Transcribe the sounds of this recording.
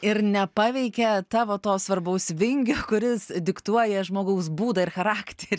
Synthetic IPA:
ɪɾnʲɛpɑːʋʲɛɪkʲɛt̪ɑːʋoːt̪oːsʋɐrbɐʊsʋʲɪŋʲɡʲoːkʊɾʲɪsd̪ʲɪkt̪uɔjɛʒmoːɡɐʊs̬buːd̪ɐɪrxɐɾɑːkt̪ʲeɾʲ

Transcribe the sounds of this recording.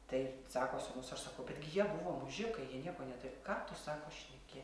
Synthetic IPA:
t̪ɐɪsɑːkoːsʲʊmʊsɐrsɐkɐʊbʲɛt̪ɡʲɪjiɛbʊʋoːmʊʒʲɪkɐɪjiɛnʲiɛkoːnʲɛt̪ʊɾʲɪkɑːt̪ʊsɑːkoːʃʲnʲɛkʲɪ

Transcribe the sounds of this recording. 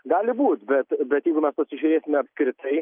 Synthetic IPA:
ɡɑːlʲɪbuːt̪bʲɛt̪bʲɛt̪jɛɪɡʊmʲɛspɐsʲɪʒʲʊɾʲeːsʲɪmʲɛɐpʲskɾʲɪt̪ɐɪ

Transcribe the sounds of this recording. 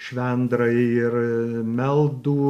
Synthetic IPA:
ʃʲʋʲɛnd̪ɾɐɪɪrmʲɛlˠd̪uː

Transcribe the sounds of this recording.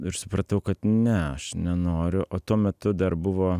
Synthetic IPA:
ɪɾsʊpɾɐt̪ɐʊkɐt̪nʲɛɐʃnʲɛnoːɾʲʊʔʔoːt̪uɔmʲɛt̪ʊd̪ɐɾbʊʋoː

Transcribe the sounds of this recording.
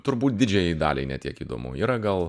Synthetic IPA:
t̪ʊɾbuːt̪̚dʲɪd͡ʒʲɛjid̪ɑ̰ːlʲɛɪnʲɛt̪ʲiɛkiːd̪o̰ːmʊ̰iːɾɐɡɐlˠ

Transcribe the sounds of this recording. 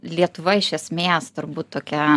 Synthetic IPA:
lʲiɛt̪ʊʋɐɪʃʲɛsʲmʲeːst̪ʊɾbuːt̪t̪oːkʲɛ

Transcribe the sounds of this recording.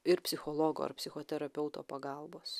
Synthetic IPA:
ɪɾpʲsʲɪxolˠoːɡo̰ːɐ̰ɾpʲsʲɪxoːt̪ʲɛɾɐpʲɛʊt̪o̰ːpɐɡɑˑlˠboːs

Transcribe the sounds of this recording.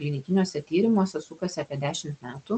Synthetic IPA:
lʲɪnʲɪkʲɪnʲoːsʲɛt̪ʲiːɾʲɪmoːsʲɛsukɐsʲɛɑːpʲiɛd̪ʲæːʃʲɪmt̪mʲæːt̪uː

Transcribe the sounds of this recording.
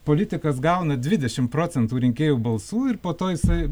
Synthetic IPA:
poːlʲɪt̪ʲɪkɐs̬ɡɐʊnɐdʲʋʲɪd̪ʲɛʃʲɪmpɾoːt͡sʲɛnt̪uːɾʲɪŋʲkʲeːjuːbɐlˠsuːɪrpoːt̪oːjɪsɐɪ

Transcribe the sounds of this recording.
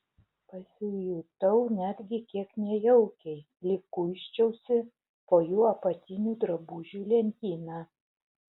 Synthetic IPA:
pɐsʲɪjut̪ɐʊnʲæd̪ʲɡʲɪkʲiɛknʲɛjɛʊkʲɛɪ | lʲɪkʊɪʃʲt͡ʃʲɛʊsʲɪ | poːjuːɐpɐt̪ʲɪnʲuːd̪ɾɐbuːʒʲuːlʲɛnʲt̪ʲiːnɑ

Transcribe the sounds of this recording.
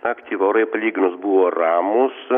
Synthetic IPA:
ɐkt̪ʲiːʋoːɾɐɪpɐlʲiːɡʲɪnʊsbuʋoːrɑːmʊs

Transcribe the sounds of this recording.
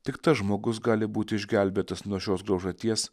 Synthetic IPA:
t̪ʲɪkt̪ɐsʒmoːɡʊsɡɑːlʲɪbuːt̪ʲɪɪʒʲɡʲæˑlʲbʲeːt̪ɐsnuɔʃʲoːsɡɾɐʊʒɐt̪ʲiɛs

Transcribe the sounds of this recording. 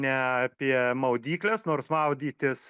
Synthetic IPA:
nʲɛɑpʲiɛmɐʊd̪ʲiːklʲɛsnoːrsmɐʊd̪ʲiːt̪ʲɪs

